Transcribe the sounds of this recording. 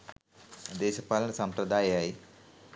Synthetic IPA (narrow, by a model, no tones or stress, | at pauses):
d̪eːʃɐpaːlɐnsɐmpɾɐd̪aːjaːi